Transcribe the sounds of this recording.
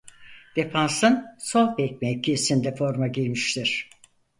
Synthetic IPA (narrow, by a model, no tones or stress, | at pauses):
d̪̥epʰansɯnsolˠbɛc̚mɛcʰiesind̪ɛfo̞ɾmaɟilʲmiʃlʲiɾ̝̥